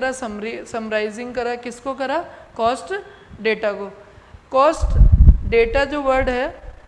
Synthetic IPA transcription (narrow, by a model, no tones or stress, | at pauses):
ɾasɐmɾisɐmɾaːɪzɪ̃ŋɡkɐɾakɪskokɐɾaːkɔːsʈ | ɖeːʈako | kɔːsʈɖeːʈad͡ʒoːʋɐɾɖɦɛː